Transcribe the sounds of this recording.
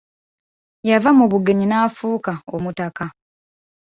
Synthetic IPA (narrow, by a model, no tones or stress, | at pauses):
javamuβuɡe̞ɲinaːfuːkaomutaka